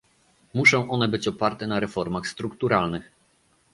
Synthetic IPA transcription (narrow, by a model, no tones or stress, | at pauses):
muʂɔ̃w̃ʔɔnɛbɘt͡ɕɔpaɾt̪ɛnaɾɛfɔɾmaxst̪ɾukt̪uɾalnɘx